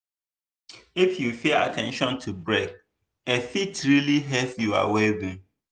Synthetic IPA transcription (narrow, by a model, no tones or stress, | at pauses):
ɪfjufea̰tʰɛ̃nʃɔ̃ntʰubɹek̚ | ɛfitʰɾiliɦɛpjua̰wɛbũm